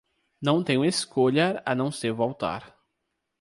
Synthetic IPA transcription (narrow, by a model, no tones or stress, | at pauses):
nɐ̃w̃t̪ẽɲʊ̃eskoʎɐɾɐnɐ̃w̃seɾvowt̪a̰ɾ